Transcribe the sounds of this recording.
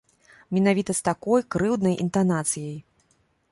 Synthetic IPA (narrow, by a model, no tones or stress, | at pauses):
mʲɛnavʲit̪ɐst̪akɔjkɾɨwd̪nɐjʔḭnt̪anat̪sɨjɐj